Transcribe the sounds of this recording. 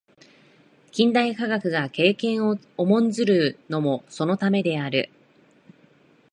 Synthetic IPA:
kʲĩnd̪aikaɡakɯ̟ɡake̞ːkẽ̞ɰ̃o | omõ̞nzɨɾɯ̟no̞mo̞so̞no̞t̪ame̞d̪e̞aɾɯ̟̰

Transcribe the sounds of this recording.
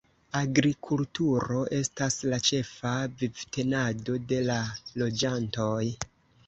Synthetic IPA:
aɡɾikʰultuɾo̞ʔe̞staslat͡ʃe̞favivte̞nado̞de̞lalo̞d͡ʒanto̞j

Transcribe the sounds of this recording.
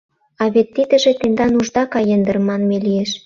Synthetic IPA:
ɑβet̪ːid̪ə̆ʒĕt̪end̪ɑnuʒd̪ɑkɑjə̆nd̪ə̆rmːɑnmelijeʃ

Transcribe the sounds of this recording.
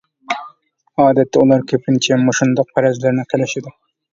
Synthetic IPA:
ɑːd̪ɛt̪ʰːɛulˠɑɾkʲʰøpʰɪnt͡ʃʰɛmoʃund̪ɑq̚pʰæɾɛzlɪɾnɪqʰelɪʃɪd̪ɪ

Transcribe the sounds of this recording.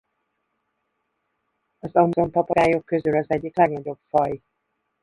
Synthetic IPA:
ɒzɒmzo̞mpɒpɒɾaːjo̞kːø̞zylɒzɛɟːiklɛɡnɒɟo̞bfɒj

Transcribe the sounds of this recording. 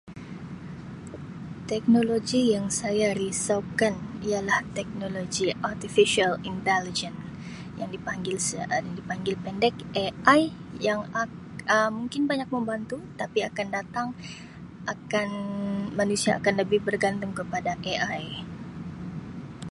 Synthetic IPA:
t̪ɛk̚noloɡijaŋsajaɾisakanialaht̪ɛk̚noloɡiart̪ifiʃalint̪ɛlid͡ʒən | jaŋdipaŋɡɪlsəaŋdipaŋɡɪlpɛndɛk̚ʔeajjaŋa | əmuŋkɪnbaɲak̚məmbant̪ut̪apiakandat̪aŋ | ʔakanmanusiaʔːkanləbɪhbərɡant̪ʊŋkəpadaʔeʔaj

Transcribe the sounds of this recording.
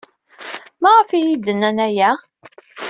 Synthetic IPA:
mæʁəfijid̪ənænæjæ

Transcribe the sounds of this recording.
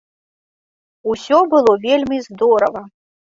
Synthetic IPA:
usʲɔbɨlˠɔvʲelʲmʲizd̪ɔɾɐvɐ

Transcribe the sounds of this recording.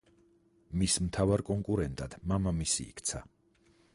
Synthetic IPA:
mismt̪ʰavaɾkʼɔŋkʼuɾɛnt̪ʼad̪̥mamamisḭːkʰt̪sʰa̰

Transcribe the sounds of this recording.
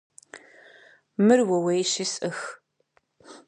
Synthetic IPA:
mɨrwɐwejʃɪsʼɨx

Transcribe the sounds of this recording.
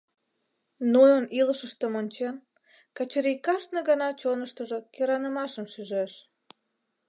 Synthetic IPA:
nujəniləʃəʃt̪əmonʲt͡ɕen | kɑt͡ɕəɾikɑʃnə̆ɣɑnɑt͡ɕonəʃt̪əʒokeɾɑnəmɑʃəmʃyʒeʃ

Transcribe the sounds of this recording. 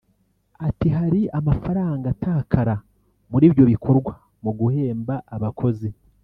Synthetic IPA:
atiɦaɾiamafaɾaːŋɡatʰakʰaɾa | muɾiːbjo̞βikʰo̞ɾɡwa | muɡuhe̞ːmbaʔːβakʰo̞ze

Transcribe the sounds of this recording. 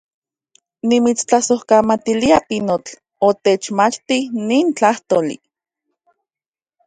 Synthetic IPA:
nimit͡st͡ɬasohkamat̪iliapinot͡ɬ | ot̪et͡ʃmat͡ʃt̪iniːnt͡ɬaht̪oːlḭ

